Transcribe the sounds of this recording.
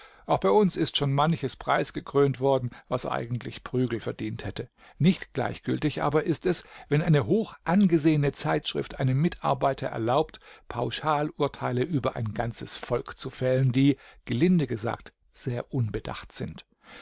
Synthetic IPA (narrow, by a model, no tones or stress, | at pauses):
ʔaʊxb̥aɪʊnsɪstʃoːnmançəspʁ̥a̰ɪsɡ̥əkʁ̥øːntv̥ɔɐdn̩vasʔa̰ɪɡŋ̩tlɪçpʁ̥yːɡl̩fɛɐd̥iːnthɛtə | nɪçtɡ̥la̰ɪçɡ̥ʏltɪçʔa̰ːbɐʔɪstɛsvɛnʔaɪnəɦoːxʔanɡəzeːənət͡saɪtʃʁ̥ɪ̰ftʔaɪnəmɪtʰa̰ɐbaɪtʰɐʔɛ̰ɐlaʊptpʰaʊʃaːlʔʊɐtʰaɪləʔyːbɐʔa̰ɪnɡant͡səsfɔlkt͡sufɛləndiːɡ̥əlɪndəɡəza̰ːk̚t | z̥eːɐʔʊnbəda̰χtz̥ɪnt